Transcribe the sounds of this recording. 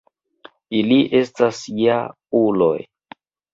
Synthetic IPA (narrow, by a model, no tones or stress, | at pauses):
iliʔe̞stasja | ulo̰j